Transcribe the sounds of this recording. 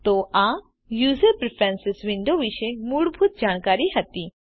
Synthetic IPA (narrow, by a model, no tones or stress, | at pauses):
t̪oːʔã | juːzəɾpɾɪpʰɾɛ̃ːnsɪsʋɪ̃ɳɖoʋɪʃemuɽbʱʊt̪̚d͡ʒaːnkaːɾiɦɐt̪i